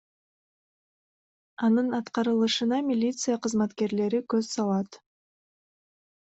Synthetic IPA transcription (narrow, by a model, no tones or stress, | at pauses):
ɑnɯnɑt̪qɑɾɯlˠɯʃɯnɑmʲilʲit̪sɨjaqɯzmɑt̪ke̞ɾle̞ɾikøzsɑlˠɑt̪